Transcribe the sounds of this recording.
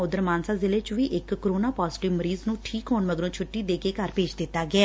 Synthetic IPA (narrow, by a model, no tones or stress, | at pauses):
ʊd̪əɾmaːnsaːzɪleːt͡ʃʋiːʔɪkːɾoːnaːpɔːzɪʈɪʋməɾiːznũːʈʰiːkɦoːnməɡɾõːt͡ʃʰʊʈːiːd̪eːkeːkəɾpeːd͡ʒd̪ɪt̪ːaːɡɪɛː